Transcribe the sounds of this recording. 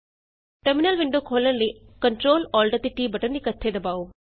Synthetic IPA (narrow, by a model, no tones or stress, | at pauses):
ʈɐɾminɐlʋiɳɖoːkʰoːlɐnli | kɐɳʈɾoːlɔːlɖɐt̪ːiʈiːbɐʈɐnd̪ikɐt̪ʰːeːd̪ɐbaːʋu